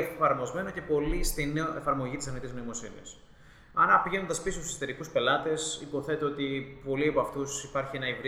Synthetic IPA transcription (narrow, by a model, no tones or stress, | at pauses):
efɐɾmo̞zme̞no̞ce̞po̞list̪ineoe̞fɐɾmo̞ʝit̪isɐnit̪iznoimo̞sḭnḭɐ̰s | ɐnɐpiʝe̞no̞nd̪ɐspisot̪usst̪e̞ɾikuspe̞lɐt̪e̞sḭpo̞θe̞t̪e̞ot̪ipo̞liɐpoɐft̪usipɐɾçie̞nɐivɾ